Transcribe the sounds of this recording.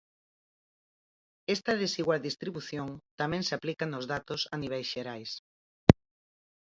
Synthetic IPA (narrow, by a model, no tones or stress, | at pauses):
ɛst̪ɐðesiɣwald̪ist̪ɾiβuθjoŋt̪amɛ̃ŋseaplikanozðat̪ʊsaniβ̞ɛjsʃeɾajs